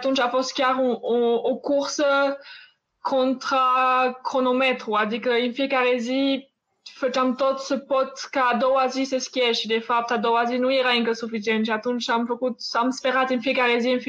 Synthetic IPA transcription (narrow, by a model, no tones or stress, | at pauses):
t̪ũnt͡ʃafoskjaʁɔ̃ɔokuʁsə | kʰɔ̃nt̪χakχonomɛt̪χuad̪ikəinfikaʁezi | fət̪amt̪ɔt̪səpɔt̪kad̪ɔazisesə̥kʲiɛʃid̪efap̚t̪ad̪ɔazinuiʁaiŋkəsufizɛnʃat̪unʃamfokut̪samspeʁat̪infikaʁezinf